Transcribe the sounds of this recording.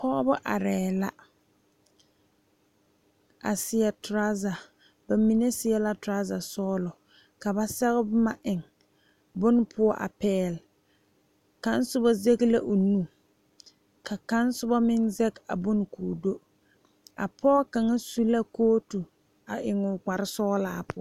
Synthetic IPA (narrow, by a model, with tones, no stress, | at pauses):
pʰɔ˦bʊ˦ʔa̰˨ɾɛː˨la˦ | a̰˨sɪ˨ɛ˨tɾa˦za˨ | ba˨mi˨ne˦sɪ˨ɛ˦la˦tʊ˨ɾa˦za˨sɔː˦lɔ˨ | ka˨ba˦sɛ˦ɣɪ˦bma˨ʔɪ˨ŋ | bʊ˦n˦pʰʊ˦ɔ˦ʔa̰˨pɛː˦˨l | ka˦n˦sʊ˦ba˦ze˦ɡla˦ʔʊ˨nu˦ | ka˨ka˦n˦sʊ˦ba˦mɪ˦ŋzɛ˦ka̰˨bʊ˦n˨kuː˨do˦ | a̰˨pʰɔ˦ka˨ŋa˦su˦la˦koː˦tu˨ | a˨ʔɪ˨ŋʊ˨ɡ͡ba˨ɾɪ˦sɔː˦laː˦pʊ˦ɔ˦